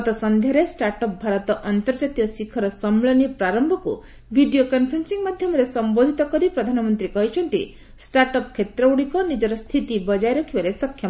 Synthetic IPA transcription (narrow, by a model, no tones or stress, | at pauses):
ɔt̪ɔsɔnd̪ʱjaɾesʈaɾʈɔp̚bʱaɾɔt̪ɔʔɔnt̪ɔɾd͡ʒat̪ijɔsikʰɔɾɔsɔmɭɔnipɾaɾɔmbʱɔkṵ | bʱiɖijokɔnpʰɾinsiŋmad̪ʱjɔmɔɾesɔmbod̪ʱit̪ɔkɔɾipɾɔd̪ʱanɔmɔnt̪ɾikɔɦit͡ʃʰɔnt̪i | sʈaɾʈɔpkʰːet̪ɾɔuɽikɔnid͡ʒɔɾɔst̪ʰit̪ibɔd͡ʒajɾɔkʰibaɾesɔkʰja